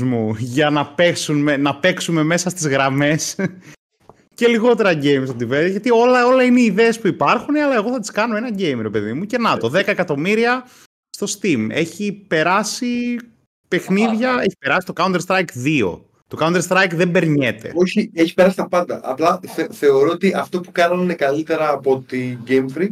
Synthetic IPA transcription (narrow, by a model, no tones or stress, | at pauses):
zmuʝɐnɐpeksunmenɐpe̞ksume̞me̞sɐst̪izɣɾɐme̞s | ce̞liɣo̞t̪e̞ɾɐɟejmst̪od̪ivelʝɐt̪io̞lɐo̞lɐineiðeːspuipɐɾxuneɐlɐe̞ɣo̞θɐt̪i̥skɐno̞e̞nɐɟejmɾe̞pe̞ðimuce̞nɐt̪o̞ðe̞kɐekɐt̪o̞miɾiɐ | st̪o̞st̪ime̞çipe̞ɾɐsi | pe̞xniðʝɐe̞çi̥pe̞ɾɐsit̪o̞kɐunest̪ɾɐjkðio̞̰ | t̪o̞kɐund̪eɾst̪ɾɐjkðembe̞ɾɲe̞t̪e̞̰o̞çieçi̥pe̞ɾɐs̬i̥st̪ɐpɐnd̪ɐʔɐ̰plɐθθe̞o̞ɾoot̪iʔɐft̪o̞pukɐnɐnnekɐlit̪e̞ɾɐːpo̞t̪iɟemfɾi